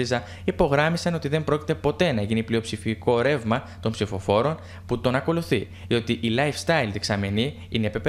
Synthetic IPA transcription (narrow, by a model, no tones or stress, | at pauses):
izɐ | ipo̞ɣɾɐmisɐno̞t̪iðe̞mbɾo̞ci̥t̪e̞po̞t̪e̞nɐʝiniplio̞psifiko̞ɾe̞vmɐ | t̪o̞mpsifo̞fo̞ɾo̞n | put̪o̞nɐko̞luθi | ðio̞t̪iʔilɐjfst̪ɐjlt̪ieksɐme̞ni | ineepepe